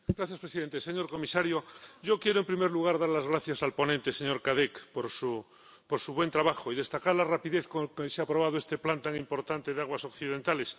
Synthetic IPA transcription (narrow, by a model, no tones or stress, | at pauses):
ɡɾaθjaspɾesiðe̞nt̪eseɲo̞ɾko̞misaɾjoɟ͡ʝo̞kje̞ɾoempɾimeɾluɣ̞aɾðaɾlazɣ̞ɾaθjasalpo̞nent̪e̞seɲo̞ɾkaðekpoɾsu | poɾsuβwe̞nt̪ɾaβaxoiðe̞st̪akaɾlarapiðeθkokeseapɾoβað̞oe̞st̪e̞plant̪aŋimpo̞ɾt̪ant̪e̞ðaɣwaso̞kθiðe̞nt̪ales